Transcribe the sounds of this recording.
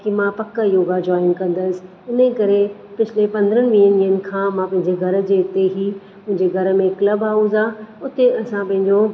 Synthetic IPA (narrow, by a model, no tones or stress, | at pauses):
kimãpɐkːəjoːɡad͡ʑɔːɪnkɐ̃nd̪əsɪ̥̆ | ɪnəkɐɾepɪt͡ɕʰɪlepɐ̃nd̪əɾənɪ̆ʋĩːəniːənɪ̆kʰãːmãpɐ̃ɦɪ̃ɲd͡ʑeɡʱɐɾə̆d͡ʑeːt̪eɦi | ʊ̃ɦɪ̃ɲd͡ʑeɡʱɐɾə̆mẽkləbaːuzaʊt̪eɐsãpɐ̃ɦɪ̃ɲd͡ʑo